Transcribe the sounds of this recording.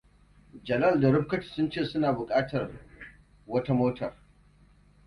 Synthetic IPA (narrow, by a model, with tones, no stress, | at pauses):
d͡ʒɐ˨lɐ˦˨lda˨ɽʊ˦ɸ̚kɐ˦ti̥˨sʊ˦nt͡ʃeː˦˨sʊ˦naː˨bʊ˨kʼaː˦tɐ˨r | wɐ˦ta˦moː˦tʰɐ˨r